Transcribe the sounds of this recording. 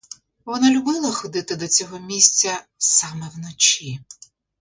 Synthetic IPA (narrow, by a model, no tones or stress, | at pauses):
ʋɔnɑlʲʊbɪlˠɐxɔd̪ɪt̪ɪd̪ɔt͡sʲɔɦɔmʲisʲt͡sʲɐ | sɑmɛwnɔt͡ʃʲi